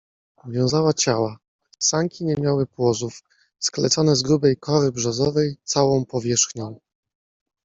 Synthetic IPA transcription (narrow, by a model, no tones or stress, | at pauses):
avʲjɔ̃w̃zawat͡ɕawa | saŋkʲiɲɛmʲjawɘpwɔzuf | sklɛ̰t̪sɔnɛzɡɾubɛjkɔɾɘbʐɛzɔvɛjt̪sawɔ̃w̃pɔvʲjɛʂxɲɔ̃w̃